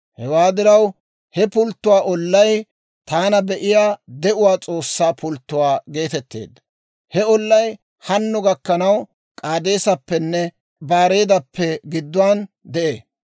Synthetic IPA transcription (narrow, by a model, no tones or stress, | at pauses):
hɛwaːd̪ɪɾɐw | hɛpʊlt̪ːʊwaːʔɔlːɐj | t̪aːnɐbɛʔɪjaːd̪ɛʔʊwaːt͡sʼo̞ːsːaːpʰʊlt̪ːʊwaːɡe̞ːt̪ɛt̪ːḛːd̪ːɐ | hɛɔlːɐj | hɐnːʊɡɐkːɐnɐw | kʼaːd̪e̞ːsɐpːɛnːɛ | baːɾe̞ːd̪ɐpʰːɛɡɪd̪ːʊwaːn | d̪ɛʔeː